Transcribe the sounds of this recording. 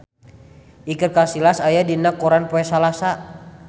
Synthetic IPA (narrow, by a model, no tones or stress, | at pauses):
ʔikət̚kasilasajadinakɔɾanpɔɛsalasa